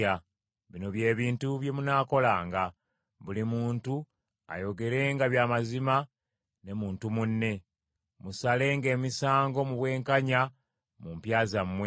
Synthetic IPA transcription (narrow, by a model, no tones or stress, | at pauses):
a | βino̞βje̞ːβiːntuβje̞munaːko̞laːŋɡa | βulimuːntu | a̰jo̞ɡe̞ɾe̞ŋɡaβjaːmazima | ne̞muːntumunːe̞ | musale̞ŋɡe̞ːmisaːŋɡo̞muβwe̞ːŋkaɲa | mumpjaːzamːwe